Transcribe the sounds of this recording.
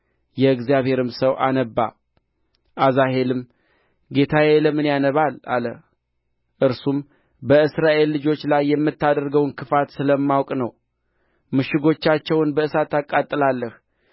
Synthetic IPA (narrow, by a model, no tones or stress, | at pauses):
jɛɨɡzijaβhe̞ɾɨmsəwʔanəbːa̰ | ʔazaɦe̞lɨm | ɡe̞t̪ʰajeləmɨnjanəβala̰lə | ʔɨɾsum | bəɨsɾaʔe̞lːɨd͡ʒo̞t͡ʃːlajːɛmːɨt̪ːad̪əɾɡəwnkʰɨfat̪sɨləmːawkʼnəw | mɨʃɪɡo̞t͡ʃːat͡ʃːɛwnbəɨsat̪akʼːat̪ʼːɨlalːəh